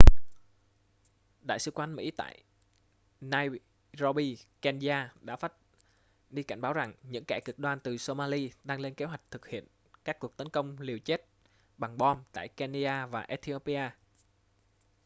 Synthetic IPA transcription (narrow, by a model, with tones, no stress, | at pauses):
ɗa̰ː˧˨jsɨ˧kwa˧˦nmḭ˧˥t̪a̰ː˧˨j | naː˧j | zɔ˧ɓi˧kɛ˧nzaː˧ɗa̰ː˧˥faː˦˥t̚ | ɗi˧ka̰˧˩jŋ̟ɓaː˨˦wza˨˩ŋɲɨ̰˧˥ŋkɛ˧˩kɨ˨˩k̚ɗwaː˧nt̪ɨ˨˩so˧maː˧li˧ɗaː˧ŋle˧nke˨˦ɦwa˨˩jk̟̚t̪ʰɨ˨˩k̚hḭ˧˨ən | kaː˦˥kːu˨˩ək̚t̪ə˨˦nkə˧wŋ͡mli˨˩əwt͡ɕe˦˥t̚ | ɓa˨˩ŋɓɔ˧mt̪a̰ː˧˨jkɛ˧ni˧ɗaː˧vaː˨˩ʔɛ˦˥t̪ʰi˧o˧pi˧aː˧